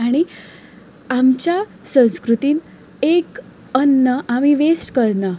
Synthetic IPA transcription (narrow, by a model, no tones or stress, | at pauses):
aɽ̃i | amt͡ɕja | sə̃w̃skɾut̪iːn | ek | ənːəʔamiʋesʈkəɾna